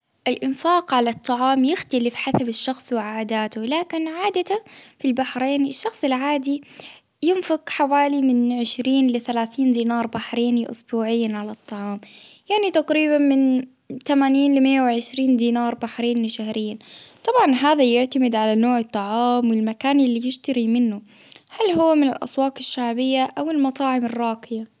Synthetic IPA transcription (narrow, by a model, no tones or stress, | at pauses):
ʔɪlʔɪnfaːqʕalat̪ˤːɑʕɑːmjɪxt̪alɪfħasabɪʃːɑxsˤwɪʕaːd̪aːt̪ʊlaːkɪnʕaːd̪at̪afilbaħɾeːnɪʃːɑxsˤɪlʕaːd̪i | jɪnfɪqħawaːlimɪnʕɪʃɾiːnlɪθalaːθiːnd̪iːnɑːɾˤbaħɾeːnlɪʔʊ̰sbuːʕɪjːanʕalɑt̪ˤːɑʕɑːmjaʕnit̪aqɾiːbanmɪn | t̪amaːniːnlɪmɪjːawɪʕɪʃɾiːnd̪iːnɑːɾˤbaħɾeːnlɪʃahɾɪjːant̪ˤɑbʕɑnɦaːðajɪʕt̪amɪd̪ʕalanoːʕɪt̪ˤːɑʕɑːmwɪlmakaːnɪlːijɪʃt̪ɑɾimɪnːʊ | halɦʊwːamɪnɪ̰lʔɑ̰swɑːqɪʃːaʕbɪjːaʔawɪlmɑt̪ˤɑːʕɪmɪrˤːɑːqɪja